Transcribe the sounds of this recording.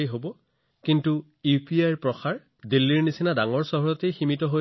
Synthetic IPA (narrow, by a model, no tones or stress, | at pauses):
ejɦobɔ | kintu | upiajɹpɹɔxaɹ | dilːiɹnisinadaŋɔɹsɔɦɔɹɔtejximitɔɦoj